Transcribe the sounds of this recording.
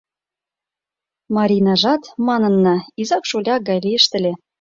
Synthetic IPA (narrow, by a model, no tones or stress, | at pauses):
mɑɾʲinɑʒɑt̪mɑnɤ̆nːɤizɑkʃolʲɑɡɑjlʲiə̆ʃt̪ə̆lʲĕ